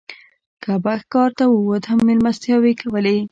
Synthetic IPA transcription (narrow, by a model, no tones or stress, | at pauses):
kabaxkɑɾt̪awuwot̪hamːelmast̪jɑwekawəle